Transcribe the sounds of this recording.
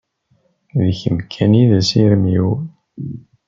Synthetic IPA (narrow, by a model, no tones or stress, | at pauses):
ðçəmkʰæniðæsiɾmjiw